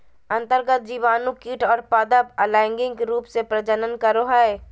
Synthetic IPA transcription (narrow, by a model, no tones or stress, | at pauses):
ə̃nt̪əɾɡət̪̚d͡ʒiːʋaːnukiːʈʰɔːɾpaːd̪əbəlɛ̃ɪŋɡɪ̃ŋkeɾuːpsepɾəd͡ʒənənkəɾoɦɛe